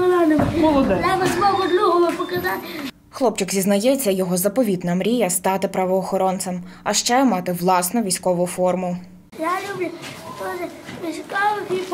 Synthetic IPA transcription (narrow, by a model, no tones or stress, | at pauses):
lanɪmmɔd̪ɛnabɪzmɔbɔd̪lʲuɦɐlˠɐpɔkɐzɑt̪ | xlˠɔp̚t͡ʃɪkzʲiznɐjɛt͡sʲːɐjɔɦɔzɐpɔʋʲid̪nɐmɾʲijɐst̪ɑt̪ɪpɾɐʋɔːxɔɾɔnt̪sɐmɐʃt͡ʃɛmɑt̪ɪʋlˠɑsnʊʋʲisʲkɔʋʊfɔrmʊ | jalʲublʲʊt̪ɔʒeʋʲisʲkɔʋkʲip